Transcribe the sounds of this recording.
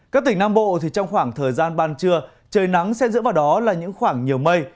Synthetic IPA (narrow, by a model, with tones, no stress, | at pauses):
kaː˦˥k̚t̪ï˧˩ŋ̟naː˧mɓo̰˧˨t̪ʰi˨˩t͡ɕɔ˧wŋ͡mxwaː˧˩ŋt̪ʰəː˨˩jzaː˧nɓaː˧˩nt͡ɕɨ˧ə | t͡ɕəː˨˩jna˨˦ŋsɛ˧˥zɨ̰˧˥vaː˨˩wɗɔ˨˦laː˨˩ɲɨ̰˧˥ŋxwaː˧˩ŋɲi˨˩əwmə˧j